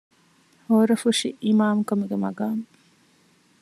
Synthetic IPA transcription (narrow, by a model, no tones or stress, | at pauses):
hoːɾɐfuʃiʔimaːmkɐmuɡemɐ̰ɡaːŋ